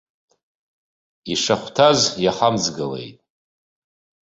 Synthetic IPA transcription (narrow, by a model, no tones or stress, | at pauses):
iʂaχʷtʰazjaχamzɡɨle̞̰jtʼ